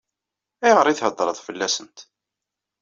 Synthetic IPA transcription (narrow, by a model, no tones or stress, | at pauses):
æjʁəɾˤiθhəd̪ˤːɾˤəðˤfəlːæsənt̪